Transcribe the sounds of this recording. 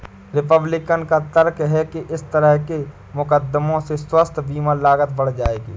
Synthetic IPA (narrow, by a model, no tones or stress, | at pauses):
ɾɪpəblɪkənkat̪əɾkɦɛkeʔɪst̪əɾəɦke | mʊkəd̪ːəmõseswəst̪ʰbiːmalaːɡət̪̚bəɽ̤d͡ʒaːeːɡiː